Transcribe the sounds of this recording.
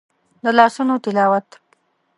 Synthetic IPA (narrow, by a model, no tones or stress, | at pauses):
d̪əlɑsunot̪ɪlɑwat̪